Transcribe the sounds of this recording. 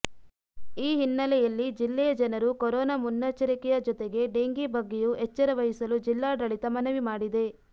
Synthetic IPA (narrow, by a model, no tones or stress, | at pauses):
iːɦinːɐlɛjɐlːid͡ʒilːɛjɐd͡ʒɐnɐɾukɔɾɔːnamunːɐːt͡ʃɐɾikɛjɐd͡ʒɔt̪eɡe̞ɖeːŋɡibɐɡːejuɛt͡ʃːɐɾɐʋɐɦisɐlud͡ʒilːaːɖɐɭit̪ɐmɐnɐʋimaːɽid̪e̞